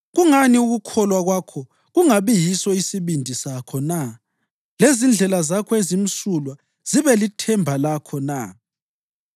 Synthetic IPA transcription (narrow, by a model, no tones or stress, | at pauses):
ɣuŋaniuɣukʰɔlwaɣwakʰɔ | ɣuŋaβijisɔisiβindʱisakʰɔna | lezind͡ɮʱɛlazakʰɔezim̩sulwa | z̥iβɛlitʰɛmbʱalakʰɔna̰